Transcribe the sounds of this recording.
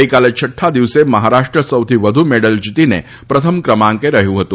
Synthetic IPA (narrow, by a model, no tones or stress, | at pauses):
ikalet͡ʃʰəʈʰːad̪iʋsemɐɦaɾaʂʈɾəsəwt̪ʰiʋəd̪ʱumeɽəld͡ʒit̪inḛ | pɾət̪ʰəmkɾəmãŋkeɾɐɦijũɦət̪ũ